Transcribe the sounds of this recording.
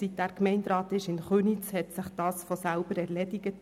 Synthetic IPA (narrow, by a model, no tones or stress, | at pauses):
sit̚d̥æːɾkmɛɪnd̪ɾɑːtɪʃɪnχøːnit͡shɛtsɪχd̥ɑːsfɔsæʊbəɾɛɾlɛdɪɡət